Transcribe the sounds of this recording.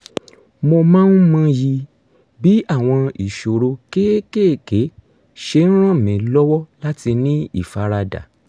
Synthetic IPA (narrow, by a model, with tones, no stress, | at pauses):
mo˧mãː˦n̩˦mã˦ji˧ | bi˦a˦˨w̃ɔ̃˧i˨ʃo˨ɾo˧ke˦ke˦˨ke˨˦ | ʃe˧˦ñ̩˦ɾ̃ã˦˨mĩ˨lɔ˦wɔ˦la˦ti˧nĩ˦ḭ˦˨fa˨˧ɾa˧da̰˨